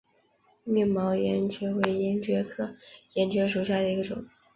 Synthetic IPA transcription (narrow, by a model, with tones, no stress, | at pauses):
mɛ˥˩ŋmɑ˧˥ʊjɛ˧˥nt͡ɕʰɥɛ˧˥we˧˥ɪi˧˥ŋt͡ɕɥɛ˧˥kʰɤ˥˩jɛ˧˥nt͡ɕɥɛ˧˥ʂu˨˩ɕja˥˩d̪ə˩i˧˥ɡə˧ʈ͡ʂʊ̰˨˩˦